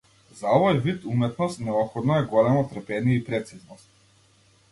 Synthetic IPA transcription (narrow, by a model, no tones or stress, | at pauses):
zaɔvɔjvit̪umɛt̪nɔst̪nɛɔpxɔd̪nɔɛɡɔlɛmɔt̪ɾpɛniɛipɾɛt̪siznɔst̪̚